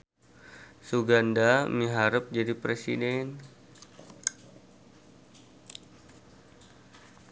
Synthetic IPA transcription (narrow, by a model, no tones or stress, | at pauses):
suɡandamiɦaɾəp̚d͡ʒadipɾesḭdɛn